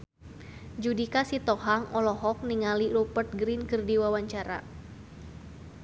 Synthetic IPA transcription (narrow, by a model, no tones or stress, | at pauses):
d͡ʒudikasit̪ɔɦaŋɔlɔɦɔk̚niŋalirupərt̪̚ɡɾinkɨrdiwawaɲt͡ʃaɾa̰